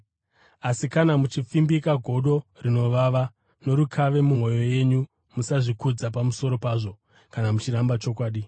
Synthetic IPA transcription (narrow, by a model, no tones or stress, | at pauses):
asikanamut͡ʃifimbikaɡʱo̞ɗo̞rino̞ʋaʋa | no̞ɾukʰaʋe̞mumo̞jo̞je̞ɲu | musaʐikud͡zap̬amuso̞ɾo̞paːʐo̞ | kanamut͡ʃiɾambat͡ʃo̞kwaːɗi